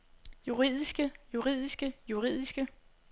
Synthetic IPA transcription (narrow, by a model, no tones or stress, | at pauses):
juʁḭð̞̰ˠisɡ̥əjuʁið̞̰ˠisɡ̥əjuʁḭð̰ˠisɡ̥ə